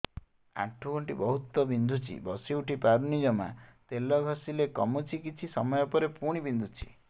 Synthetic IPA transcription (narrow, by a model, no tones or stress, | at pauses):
a̰ʈʰːuɡɔɳʈibɔɦut̪ːɔbind̪ʱut͡ʃʰḭbɔsiuʈʰipaɾunid͡ʒɔma̰t̪elɔɡʱɔsilekɔmut͡ʃʰikit͡ʃʰisɔmɔjɔpɔɾepuɽ̃ibind̪ʱut͡ʃʰi̥̰